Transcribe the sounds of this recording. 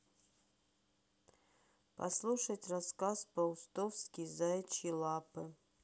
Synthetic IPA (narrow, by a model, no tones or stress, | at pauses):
pɐ̰slˠuʂɐtʲraskaspɐust̪ofskʲizaɛt͡ʃʰilˠapʰɨ